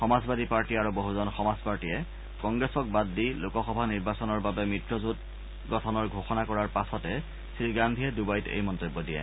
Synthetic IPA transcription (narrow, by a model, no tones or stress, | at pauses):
xɔmazbadipaɹtiaɹuboɦuzɔnxɔmazpaɹtijɛ | kɔŋɡɹɛsɔk̚badːilʊkɔxɔbʱaniɹbasɔnɔɹbabɛmitɹɔzut | ɡɔtʰɔnɔɹɡʱoxɔnakɔɹaɹpasɔtɛ | sɹiɡandʱijɛdubajtḛjmɔntobːɔdijɛ̰